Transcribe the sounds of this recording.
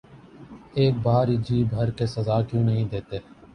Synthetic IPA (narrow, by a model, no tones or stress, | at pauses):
eːk̚baːɾɪd͡ʒʱiːbʱəɾkeːsəzaːkjõːnəɦĩːd̪eːt̪eː